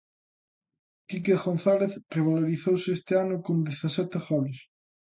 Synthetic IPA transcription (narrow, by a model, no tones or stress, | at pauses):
k̪ik̬eɣon̟θaleθreβaloɾiθowsɪest̪ɪanʊkond̪eθasɛt̪ɪɣɔlɪs